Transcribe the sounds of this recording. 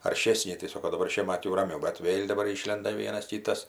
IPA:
ɐrʲˈʃʲeːsʲnʲɪ tɐɪ ˈsoːkoː dɐˈbɐr ˈʃʲiɛmɐt jɛʊ rɐˈmʲɛʊ bʲɛt ˈʋʲeːlʲ dɐˈbɐr ˈiːʃʲlʲɛndɐ ˈʋʲiɛnɐs tʲiː ˈtɐs

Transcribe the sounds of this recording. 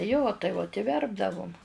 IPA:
joː tɐɪ ʋoːt ɪ ˈʋʲɛrbdɐʋʊm

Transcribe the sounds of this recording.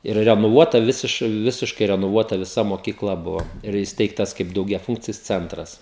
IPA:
ɪr rʲɛnoːˈʋuɔtɐ ˈʋʲɪsʲɪʃ ˈʋʲɪsʲɪʃkɐɪ rʲɛnoːˈʋuɔtɐ ʋʲɪˈsɐ moːkʲiːkˈlˠɐ ˈbʊʋoː ɪr iːsʲˈtʲɛɪktɐs kɐɪp dɐʊɡʲɛˈfuːŋkt͡sʲɪs ˈt͡sʲɛntrɐs

